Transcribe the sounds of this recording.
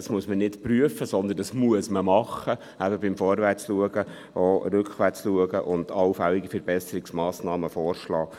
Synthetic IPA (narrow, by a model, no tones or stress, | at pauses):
ɑsmuəsmənɪtpɾyəfəsɔnd̪əndɑsmuəsməmɑχːə | æbəbɪmfɔːɾʋæɾt͡sluəɡə | ʔoɾʏkχʋæt͡sluəɡəʔʊnd̥̪ɑwfæliɡifəɾb̥ɛsəɾiksmɑːsnɑːməfɔːrʃlɑː